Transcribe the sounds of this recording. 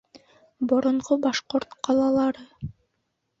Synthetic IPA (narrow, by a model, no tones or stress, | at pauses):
boɾoɴqobɑʃqoɾt̪qʰɑlˠɑlˠɑɾɯ